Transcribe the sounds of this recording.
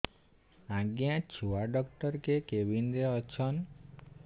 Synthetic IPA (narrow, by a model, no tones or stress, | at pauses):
ãɡjãt͡ʃʰuaɖɔkʈəɾkekeʋind̪eɔt͡ʃʰɔn